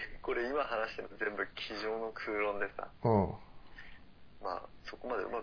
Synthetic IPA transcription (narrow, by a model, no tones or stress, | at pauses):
ko̞ɾe̞imaɦanaɕi̥t̪e̞nozẽ̞mbɯ̟kʲʰiʑo̞ːno̞kʰɯ̟ːɾõ̞nd̪e̞sɨ̥a̰õ | ma̰ːso̞ko̞mad̪e̞ɯ̰ma